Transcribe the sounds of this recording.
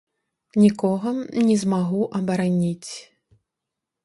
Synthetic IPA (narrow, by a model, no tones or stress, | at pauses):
nʲikɔɣɐnʲɛzmaɣuʔɐbɐɾanʲit͡sʲ